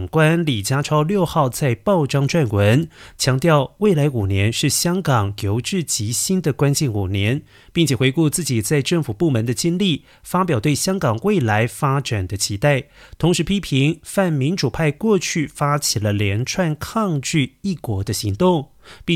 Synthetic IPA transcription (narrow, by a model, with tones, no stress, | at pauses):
ŋkwa˥nli˨˩t͡ɕja˥ʈ͡ʂʰɑ˥ʊljo˥˧ʊxɑ˥˧ʊt͡sa˥˧ɪpɑ˥˩ʊʈ͡ʂɑ˥ŋʈ͡ʂwa˥˩nwə˧˥nt͡ɕʰjɑ˧˥ŋt̪jɑ˥˧ʊwe˥˩ɪla˧˥ɪu˨˩njɛ˧˥nʂɻ̩˥˩ɕjɑ˥ŋkɑ˨˩ŋjo˧˥ʊʈ͡ʂɻ̩˥˩t͡ɕi˧˥ɕi˥nd̪ə˨kwa˥nt͡ɕjɛ˥˩nu˨˩njɛ˧˥n | pi˥˩ŋt͡ɕʰjɛ˨˩xwe˧˥ɪku˥˧t͡sɹ̩˥˩t͡ɕi˨˩t͡sa˥˧ɪʈ͡ʂə˥˩ŋfu˨˩pu˥˩mə˧˥nd̪ə˧t͡ɕi˥nli˥˩ | fa˥p̬jɑ˨˩t̪we˥˩ɪɕjɑ˥ŋkɑ˨˩ŋwe˥˩ɪla˧˥ɪfa˥ʈ͡ʂa˨˩nd̪ə˦t͡ɕʰi˧˥t̪a˥˩ɪt̪ʰʊ˧˥ŋʂɻ̩˧˥pʰi˥pʰi˧˥ŋfa˥˩nmi˧˥nʈ͡ʂu˨˩pʰa˥˧ɪkwɔ˥˧t͡ɕʰy˥˩fa˥t͡ɕʰi˨˩lə˦ljɛ˧˥nʈ͡ʂʰwa˥˧nkʰɑ˥˧ŋt͡ɕy˥˧i˥˩kwɔ˧˥d̪ə˧ɕi˧˥ŋt̪ʊ˥˩ŋ | pi˥˧